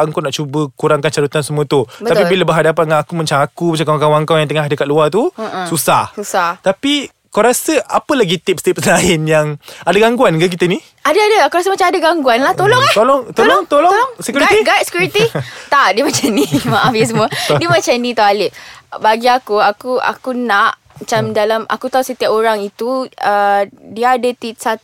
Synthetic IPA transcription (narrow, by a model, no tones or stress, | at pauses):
əŋkawnaʔt͡ʃubəkuɾaŋkant͡ʃaɾut̪ansəmũət̪ubət̪at̪pibiləbəɦadapanŋanakumə̃ɲt͡ʃaŋakumat͡ʃakawaŋkawaŋkawjaŋt̪əŋahdəkat̪ʔ̪̚luat̪ususahsusaht̪api | kawɾasəapəlaɡit̪ip̚st̪ɪp̚səlaɪnjaŋadaɡaŋɡuankak̬it̪əni | adaadəkawɾasəmat͡ʃamadaɡaŋɡuanlaht̪olɔŋat̪olɔŋt̪olɔŋt̪olɔlɔŋsəkjuɡit̪iɡat̪̚sə̥kjuɾit̪it̪aʔdiəmãt͡ʃanimaʔafis̬əmuadimat͡ʃamnĩt̪aalɪʔbaɡiakuakua̰kunaʔ | mat͡ʃamdalama̰kut̪ausət̪iapoɾaŋit̪uədiaadət̪ip̚sat̪